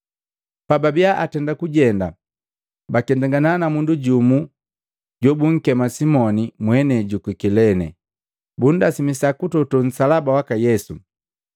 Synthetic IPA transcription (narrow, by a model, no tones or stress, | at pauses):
pababiaʔatɛndakuɟɛnda | bakɛndaŋɡananamunduɟumu | ɟɔbuŋ̩kɛmasimɔnimwɛnɛɟukwikilɛnɛ̰ | bun̩dasimisakutɔtɔn̩salabawakajɛsu